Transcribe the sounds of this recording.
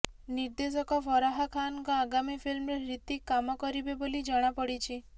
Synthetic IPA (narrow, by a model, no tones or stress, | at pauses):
niɾd̪esɔkɔfɔɾaɦakʰankɔaɡamifilmɾeɾit̪ikːamɔkɔɾibebolid͡ʒəɽ̃apəɽit͡ʃʰi